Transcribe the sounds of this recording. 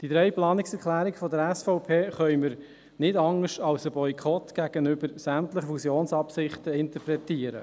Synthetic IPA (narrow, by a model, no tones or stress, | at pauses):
d̥id̪ɾɛjplɑːnɪksɛɾklæːɾiɡfɔd̪əɾɛsfɔʊpʰeːχœʏməɾ | nɪdɑŋːəʃɑlsəbɔjkʰɔt̪ɡ̥æɡ̥ənʏbəɾsæmtləχəfusjoːnsɑpsɪχtəɪntəpɾɛt̪iəɾə̰